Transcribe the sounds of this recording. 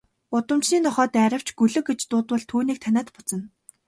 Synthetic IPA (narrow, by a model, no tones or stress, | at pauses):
ʊt̪ə̆mt͡ɕniːnɔχɔːt̪æɾə̆w̥t͡ɕɡɵɮɵ̆ket͡ɕt̪ʊːt̪wə̆ɮt̪ʰuːniːk̚t̪ʰanʲæːt̪pʊt͡sə̆n